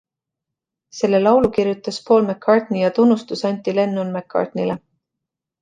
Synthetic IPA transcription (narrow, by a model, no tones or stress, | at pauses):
se̞lːe̞lɑwlukiɾjut̪ːˑɑspʰo̞ːlmekʰːɑrt̪nijɑt̪unːust̪usɑnʲt̪ːˑile̞nːunmekʰːɑ̰rt̪nile